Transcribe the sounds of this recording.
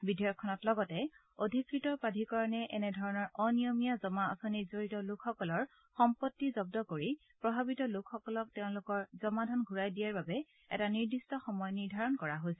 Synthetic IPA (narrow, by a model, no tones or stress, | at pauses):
bidʱijɔkʰːɔnɔtlɔɡɔtɛ | odʱikɹitɔpadʱikaɹɔnɛʔɛnɛdʱɔɹɔnɔɹɔnijomijazɔmaɔ̰sɔnizoɹitɔlʊkʰxɔkɔlɔɹ | xɔmpɔtːizɔb̚dɔkoɹi | pɹɔbʱabitɔlʊkʰxɔkɔlɔk̚tɛʊ̃lʊkɔɹzɔmadʱɔnɡʱuɹajdijaɹbabɛ | ɛ̰taniɹdistɔxɔmɔjniɹdʱaɹɔnkɔɹaɦojsɛ